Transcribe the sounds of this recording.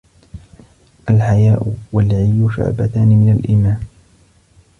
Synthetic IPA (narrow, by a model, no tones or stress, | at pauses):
ʔalħajaːʔʊwalʕɪjʊʃʊ̰ʕbat̪aːnɪmɪnalʔɪmaːn